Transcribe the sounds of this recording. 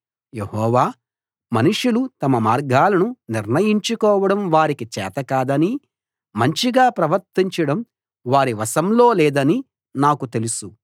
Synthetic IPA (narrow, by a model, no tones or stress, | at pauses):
je̞hɔːʋaː | mɐnuʂulut̪ɐmɐmaːɾɡaːlɐnuniɾnɐjiɲt͡ʃukɔːʋɐɽɐmʋaːɾikit͡ʃɛ̰ːt̪ɐkaːd̪ɐni | mɐɲt͡ʃiɡaːpɾɐʋɐɾt̪iɲt͡ʃɐɽɐm | ʋaːɾiʋɐsɐmlo̞ːlɛːd̪ɐni | naːkut̪e̞lusu